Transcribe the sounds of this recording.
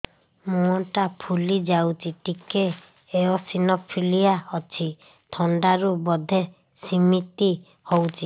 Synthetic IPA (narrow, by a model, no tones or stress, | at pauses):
mũɔʈapʰulid͡ʒawt͡ʃʰiʈikeː | ɔsinɔpʰilijaɔt͡ʃʰi | t̪ʰɔɳɖaɾubɔd̪ʱe | simit̪i | howt͡ʃʰi